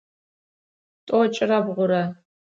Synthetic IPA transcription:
tʼot͡ʃʼɪrabʁʷʊɾa

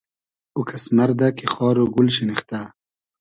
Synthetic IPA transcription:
ukʰɐsmɐɾd̪akexɑːɾoɡulɕiniχt̪a

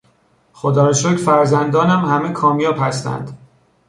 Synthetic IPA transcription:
χod̪ɒːɾeʃocfæɾzænd̪ɒːnæmhæmekʰɒːmijɒːphæst̪æ̰nd̪̥

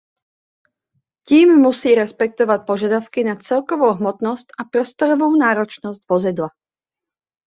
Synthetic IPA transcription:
ciːmːusiːɾɛspɛk̚t̪ɔʋac̪̚pɔʒad̪aʊkinat͡sɛlkɔʋoʊɦmɔt̪nɔscapɾɔst̪ɔɾɔʋoʊnaːɾɔt͡ʃnɔzcvɔzid̪la

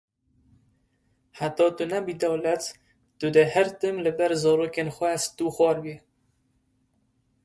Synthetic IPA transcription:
ħat̪ɑːt̪unɛbiːd̪ɛwlɛt̪ | t̪ʊd̪ɨhæɾt̪ɨmlɨbɛɾzɑːɾoːkenxʷɛst̪uːxʷɑːɾbi

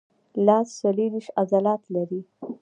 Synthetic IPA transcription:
lɑssaleɾiʃazalɑt̪laɾi

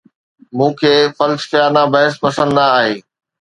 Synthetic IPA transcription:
mũːkʰeːfɐlsfjaːɾnãbɐɦɪspɐsə̃nd̪aaːɦeː

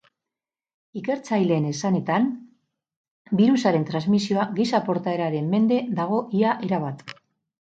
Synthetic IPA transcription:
ike̞ɾt͡sajle̞ːne̞sane̞t̪an | biɾusaɾe̞nt̪ɾanzmisio̞aɣisapo̞ɾt̪ae̞ɾaɾe̞mːe̞nd̪e̞ðaɣ̞o̞ʔiaʔe̞ɾaβ̞at̪

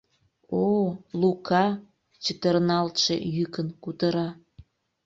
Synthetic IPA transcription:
olukʰɑ | t͡ɕət̪ərnɑlt̪ʃḛjykənkut̪əɾɑ

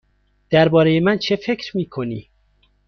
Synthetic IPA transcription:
d̪̥æɾbɒːɾejemænt͡ʃʰe̞fe̞kʰɾmiːkʰo̞niː

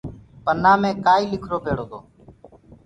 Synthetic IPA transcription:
pənaːmẽːkaːiːlɪkʰɾoːpeːɽoːt̪oː

